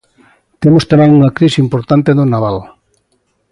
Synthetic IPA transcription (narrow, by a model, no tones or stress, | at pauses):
t̪emost̪amɛ̃ŋuŋɐkɾisimpoɾt̪ant̪eðonaβal